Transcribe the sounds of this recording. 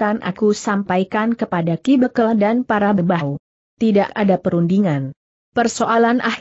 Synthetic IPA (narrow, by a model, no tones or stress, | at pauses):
anʔa̰kusampajkankəpadakibəkəladanpaɾabəbau | t̪idakadapəɾundiŋan | pərsoʔalanʔah